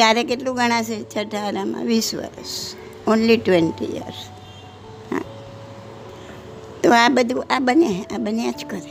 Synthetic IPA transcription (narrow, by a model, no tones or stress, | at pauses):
t̪jaɾekeʈlũɡəɽ̃ãt͡ʃʰet͡ʃʰəʈʰaɾamã̰ʋisʋə̰ɾə̰s | onliʈʋenʈḭjə̰ɾs | hã̰ | t̪oabəd̪ʱũʔabəneabənjãt͡ʃkəɾe